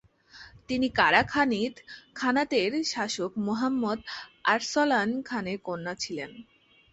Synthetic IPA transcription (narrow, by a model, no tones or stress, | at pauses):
t̪inikaɾakʰanit̪kʰanat̪eɾʃaʃokmoɦamːod̪aɾsɔlankʰanekonːat͡ɕʰilen